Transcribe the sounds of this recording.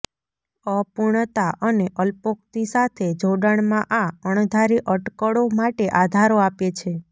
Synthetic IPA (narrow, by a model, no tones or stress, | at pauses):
əpuɳ̃t̪aʔəneʔəlpok̚t̪isat̪ʰed͡ʒʱoɖəɳ̃mãʔaəɳ̃d̪ʱaɾiʔəʈkəɽomaʈeʔad̪ʱaɾoapet͡ʃʰe